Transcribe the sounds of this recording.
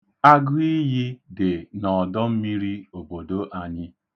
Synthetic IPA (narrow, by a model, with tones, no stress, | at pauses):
a˦ɡʊ˦i˦ji˦dɪ˨nɔ˨dɔ˦m̩˦mi˦ɾi˦o˨bo˨do˦ʔa˦ɲɪ˦